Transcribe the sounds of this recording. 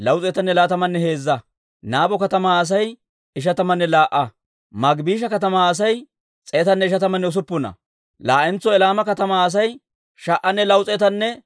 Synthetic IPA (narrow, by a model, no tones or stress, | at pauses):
lɐwt͡sʼɛt̪ɐnːɛlaːt̪ɐmɐnːɛhe̞ːzːɐ | naːbɔkɐt̪ɐmaːs̬ɐj | ɪʃ̬ɐt̪ɐmɐnːɛlaːʔɐ | mɐɡbiːʃ̬ɐkɐt̪ɐmaːs̬ɐj | t͡sʼeːt̪ɐnːɛɪʃɐt̪ɐmɐnːɛʊs̬ʊpːʊnɐ̰ | laːʔɛnt͡sːɔɛlaːmɐkɐt̪ɐmaːs̬ɐj | ʃɐʔɐnːɛlɐwt͡sʼɛt̪ɐnːɛ